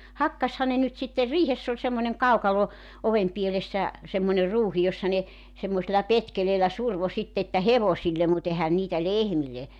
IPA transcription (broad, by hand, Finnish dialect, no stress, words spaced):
hɑkːɑshɑ ne nyt sitːer riːhesː olʲ semːonʲeŋ kɑukɑlo oʋem pielesːæ semːonʲer ruːhi josːɑ ne semːoselːɑ petkeleːlæ surʋo sitːe etːæ heʋosilːem mut ehæn niːtæ lehmilːe